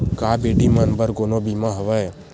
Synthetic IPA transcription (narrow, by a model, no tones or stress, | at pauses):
kaːbeːɖimãnbəɾɡoːnõːbiːmãɦəʋəe